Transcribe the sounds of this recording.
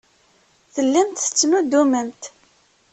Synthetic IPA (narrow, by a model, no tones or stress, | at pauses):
θəlːænt̪ə̥t͡sːnud̪umənt̪